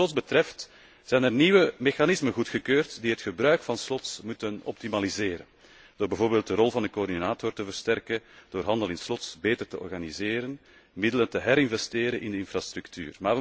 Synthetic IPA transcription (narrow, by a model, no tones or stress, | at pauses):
lɔtzbətɾɛft | z̥ɛjnɛrniːʋəmexanɪzmənɣutxəkøːrtdiɦətxəbɾœɥkfɑnslɔtsmutənɔ̰p̚timalizeːɾən | d̥oːrbɛvoːrbeːlˠt̚dərɔlˠvɑndəkoːrdinaːtɔrtəvərstɛrkəd̥oːrɦɑndəlˠɪnslɔtsbeːtərtəʔɔ̰rɣanizeːɾən | mɪdələntəɦɛɾɪnvɛsteːɾənʔɪndəɪnfrast̪ɾʉktʰy̰ːrmaːʋə